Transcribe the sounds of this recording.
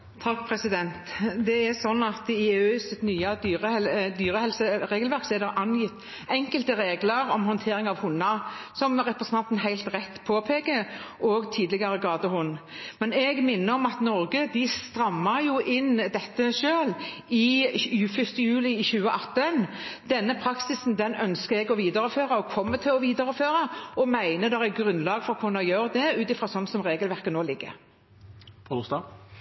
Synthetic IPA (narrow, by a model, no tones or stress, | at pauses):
t̪ʰɑk̚ːpʰɾɛsɪd̪ɛnt̪d̪ɛæɾsɔnːɑt̪ɪøːsɪt̪nyːɑd̪yːɾəɛd̪yːɾəhɛlsəɾeːɡəlʋæɾksɔɛd̪ɛʔɑnjɪt̪ː | ɛŋkəlt̪əɾeːɡləɾɔmhɔnt̪ʰeːɾɪŋɑʋhʊnːɑsɔmɾɛpɾɛsənʰɑnt̪nhæɪlt̪ʁɛt̪ːpʰoːpʰeːkəʔoːɡt̪ʰiːd̪lɪɡɑɾəɡɑːd̪əhʊnːmɛnɛɡmɪnːəɾɔmɑt̪nɔɾɡəd̪ɪst̪ɾɑmːɑjʊʔɪnd̪ɛt̪ːəʃøːl | ɪʉfʏst̪əjʉːlɪɪçʉːəʔɑt̪ːən | d̪̥ɛnːəpʰɾɑksɪsnd̪ɛnœnskəɛɡɔʋiːd̪ɑɾəføːʁɑɔkʰɔmːət̪ʰɪlɔʋiːd̪əɾəføːɾɑɔmæɪnəd̪ɛʁæɡɾʉnlɑːɡfɔɾɔkʰʊnːɑjøːɾd̪ɛʉːt̪ɪfʁɑsɔnːsɔmʁeːɡəlʋæʁkənoːlɪɡːə̰ | st̪ɑ